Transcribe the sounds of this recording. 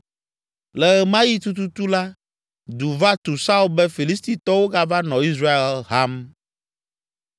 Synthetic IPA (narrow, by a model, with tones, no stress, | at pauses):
lɛ˨ɛ˨mã˦ji˦t̪u˦t̪u˦t̪u˦la˦ | d̪u˨va˦t̪u˨sa˦u˦bɛ˦fi˨li˦st̪i˨t̪ɔ˦wo˦ɡa˦va˦nɔ̃˨i˦sɾa˦e˨lɦa˦m